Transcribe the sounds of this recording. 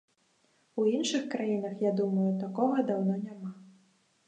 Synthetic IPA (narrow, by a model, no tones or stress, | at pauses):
uinʂɨxkɾajinɐxjad̪umɐjut̪akɔɣɐd̪awnɔnʲama